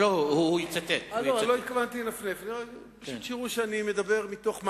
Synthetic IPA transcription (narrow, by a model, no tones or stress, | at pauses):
ohuit͡sat̪etalolo̞it̪̚kavant̪inafnefnio | paut̪ʃiʁuʃeanimed̪abe̞ʁmit̪o̞χm